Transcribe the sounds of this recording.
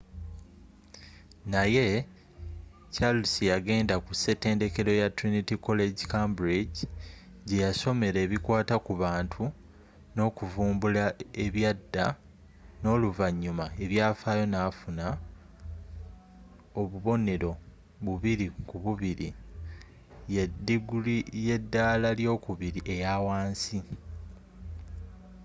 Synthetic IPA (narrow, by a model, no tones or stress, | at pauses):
naje̞ | t͡ʃalusijaɡe̞ːndakuse̞te̞ːnde̞ke̞ɾo̞jatɾinitiko̞le̞ɟikambɾiɟi | ɟe̞jaso̞me̞ɾe̞ːβikwaːtakuβaːntʰu | no̞ːkuvuːmbulaeβjadːa | no̞ːluvaɲːumae̞βjaːfaːjo̞naːfuna | oβuβo̞ne̞ɾo̞ | βuβiɾikuβuβiɾi | jediɡulije̞dːaːlaljo̞ːkuβiɾiʔe̞jaːwaːnsi